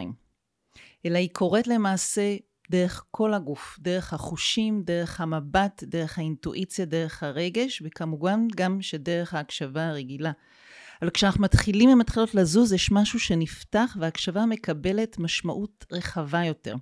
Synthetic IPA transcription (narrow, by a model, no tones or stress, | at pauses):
im | ʔe̞laikʰo̞ʁe̞tle̞maːse̞ | de̞ʁe̞χkʰo̞laɡufde̞ʁeχhaχuʃimde̞ʁe̞χhamabatde̞ʁeχhaintuʔit͡sjade̞ʁeχhaʁe̞ɡe̞ʃvekamuvanɡamʃede̞ʁe̞χhaːkʃavaːʁeɡila | valkʃeanaχnumatχilimematχilo̞tlazuzjeʃmaʃuʃe̞niftaχveaːkʃavame̞kabe̞le̞tmaʃmaʔutʁe̞χavajo̞te̞̰ʁ